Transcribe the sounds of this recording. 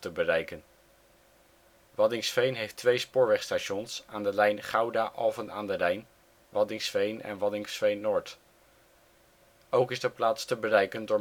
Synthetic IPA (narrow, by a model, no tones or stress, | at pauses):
təbərɛjkən | ʋɑdɪŋsfejnɦejftʋejspʊːɹʋɛχstaːʃɔnsaːndəlɛjnχɑwdaːʔɔvənaːndəlɛjn | ʋɑdɪŋsfejnɛ̰nʋɑdɪŋsfejnːʊːɹt | owkɪsdəplaːtstəbərɛjkəndʊːɹ